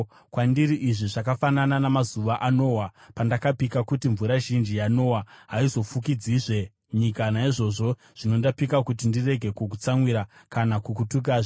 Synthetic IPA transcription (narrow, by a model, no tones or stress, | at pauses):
kwandiɾiʔiʐiʐakafanananamazuʋaʔano̞ːwapandakapikakutiɱvuɾaʒind͡ʒijano̞waɦaizo̞fukid͡ziʐe̞ | ɲikanaiʐo̞ʐo̞ | ʐ̥ino̞ndapikakut̬indire̞ɡʱe̞kuk̬ut͡samwiɾakanakukutuk̬aːʐe